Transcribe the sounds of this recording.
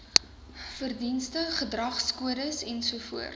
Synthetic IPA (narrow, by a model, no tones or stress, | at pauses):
fərdinstəχədrɐχskuəɾəsɛnsuəfuərt